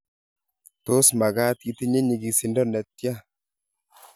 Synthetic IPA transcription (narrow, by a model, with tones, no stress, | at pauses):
to˦sma˨ɡa˦t̪̚ki˨˦t̪i˦ɲe˦ɲi˨ɡi˨si˨ndɔ˦nɛ˨t̪̚ja˦